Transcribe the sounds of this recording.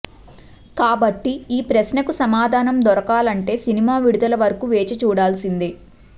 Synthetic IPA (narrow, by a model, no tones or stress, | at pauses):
kaːbɐʈːiiːpɾɐsnɐkusɐmaːd̪ʱaːnɐmd̪ɔɾɐkaːlɐɳʈe̞ːsinimaːʋiɽud̪ɐlɐʋɐɾɐkuʋeːt͡ʃɐt͡ʃuːɽaːlsind̪i